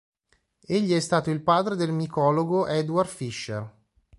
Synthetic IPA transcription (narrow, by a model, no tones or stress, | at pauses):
eʎːiɛst̪aːt̪oilpaːd̪ɾed̪elmikɔːloɡoʔɛd̪uard̪fiʃːḛr